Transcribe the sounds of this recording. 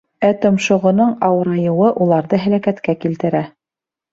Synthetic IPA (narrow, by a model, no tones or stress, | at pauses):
æt̪ŏmʃŏʁŏnoɴɑwɤ̆ɾɑjɤ̆wɤʔulˠɑɾðɤɦælækæt̪kækilt̪ɘ̆ɾæ